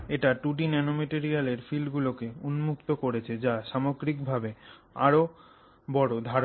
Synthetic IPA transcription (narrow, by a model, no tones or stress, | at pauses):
eʈaʈuʈinɛnomeʈiɾialeɾfilɖɡulokeunmukt̪okoɾet͡ɕʰed͡ʑaʃamoɡɾik̚bʱabe | a̰ɾo | bɔɽod̪ʱaɾo